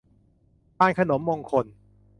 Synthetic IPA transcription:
paː˧˩nkʰa˧no˩˦mːo˧ŋkʰo˧n

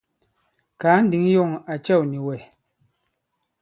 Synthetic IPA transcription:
kaː˨˦n̩˦di˨˦ŋ˦jɔ˦˨ŋa˨t͡ʃɛ˦˨wni˨wɛ˨

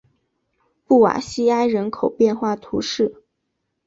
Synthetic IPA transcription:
pu˥˩wa̰˨˩ɕi˥a˥ɪɻə˧˥nkʰo˨˩ʊpjɛ˥˧nxwa˥˩t̪ʰu˧˥ʂɻ̩˥˩

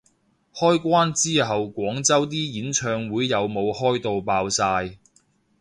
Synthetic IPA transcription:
hɔː˥jkʷaː˥nt͡siː˥ɦɐ˨wkʷɔː˨˥ŋt͡sɐ˥wt̪̬iː˥jiː˨˥nt͡ʃʰœː˧ŋwuː˨˥jːɐ˨˧wmo˨˧whɔː˥jt̪o˨˧wpaː˧wsaː˧j

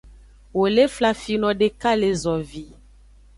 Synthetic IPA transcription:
wo˨le˦fla˦fi˦nɔ̃˨ɖe˦ka˦le˦zɔ˨vi˨

